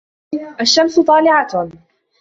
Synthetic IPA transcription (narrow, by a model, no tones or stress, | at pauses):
ʔaʃːamsʊt̪ˤɑːlɪʕa